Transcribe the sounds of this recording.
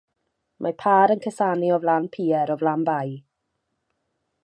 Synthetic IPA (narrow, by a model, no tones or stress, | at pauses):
mʔapʰaːɾənkʰəsaːniɔvlanpʰiːɛɾɔvlanbaj